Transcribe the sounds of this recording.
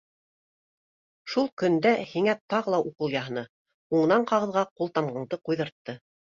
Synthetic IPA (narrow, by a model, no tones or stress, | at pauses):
ʃulˠkɵ̆nd̪æhiŋæt̪ɑʁɤlˠɑʔuqɤ̆lˠjɑɦɤ̆nɤ | uɴɤ̆nɑɴqɑʁɤ̆ðʁɑqulˠt̪ɑmɢɑɴd̪ɤqujðɤ̆ɾt̪ːɤ